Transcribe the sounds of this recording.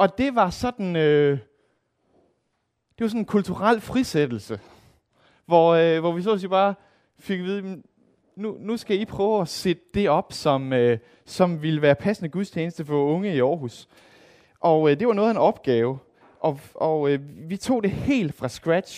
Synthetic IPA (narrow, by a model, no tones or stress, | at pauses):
ʔɒ̽d̥e̝ʋɑ̈sɒ̽d̥n̩ø | d̥e̝ʋɑ̈sɒ̽nenkʰult͡sʰuʁal̰fʁised̥l̩sə | ʋɒʋɒʋis̬ɔ̰ːsib̥ɑ̈ː | fe̝ɡ̥ʋið̞ˠimen | nunusɡ̥æipʰʁœːʊæsed̥əd̥e̝ɒ̽b̥sɒ̽mø | sɒ̽mʋiləʋæːɐpʰæsənəɡ̥uðˠst͡ɕʰjeːnəsd̥əfɒ̽ɔ̽ŋəiɒːɦus | ʔɒ̽d̥e̝ʋɑ̈nɔ̽ːð̩ˠenɒ̽b̥ɡ̥ɛːʊ | ʔɒ̽ɒøʋit͡sʰo̝̰ːd̥e̝he̝̰ːld̥fʁɑ̈sɡ̥ʁæ̥ɕ